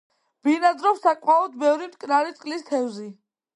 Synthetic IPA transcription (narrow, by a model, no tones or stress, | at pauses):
b̥inad̪zɾɔpsakʼmalˠɔd̪̚bɛvɾimt̪ʼkʼnaɾit̪sʼkʼlist̪ʰɛvzi